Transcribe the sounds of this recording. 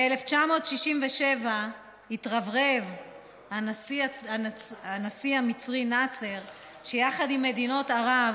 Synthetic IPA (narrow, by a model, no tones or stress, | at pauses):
eleft͡ʃamo̞t̪ʃiʃimveʃeva | hitʁavʁev | hasiaanasihamit͡sʁinat͡seʁ | ʃejaχadimːe̞dino̞taʁav